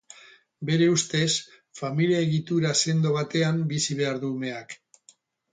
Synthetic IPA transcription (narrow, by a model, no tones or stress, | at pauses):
be̞ɾe̞ust̪e̞s | familiaeɣit̪uɾase̞nd̪o̞β̞at̪e̞ambisiβ̞e̞aɾðuːme̞ak